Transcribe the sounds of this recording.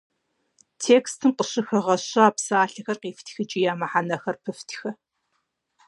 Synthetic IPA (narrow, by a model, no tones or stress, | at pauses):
tʰeːkstʰɨmqəɕɪxɐʁɐɕɐaːpsaːɬɐxɐrqiːftʰxɨt͡ʃʼijaːmɐħanɐxɐrpʰɨftʰxɐ